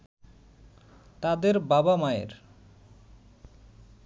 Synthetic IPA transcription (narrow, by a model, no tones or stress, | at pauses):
t̪ad̪eɾbabamaḛɾ